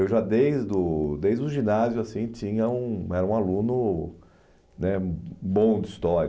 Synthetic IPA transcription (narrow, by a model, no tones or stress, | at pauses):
ewʒad̪ejzd̪ʊd̪ejzd̪ʊʒĩnazjʊasĩt͡ʃĩɲɐũɛɾɐũalũnʊ | nɛbõw̃d̪ɪist̪ɔɾjɐ